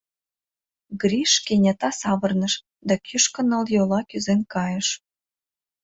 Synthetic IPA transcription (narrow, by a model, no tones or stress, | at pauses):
ɡrʲiʃkenʲet̪ɑsɑβə̆rnəʃ | d̪ɑkyʃkə̆nə̆ljolɑkyzenkɑjəʃ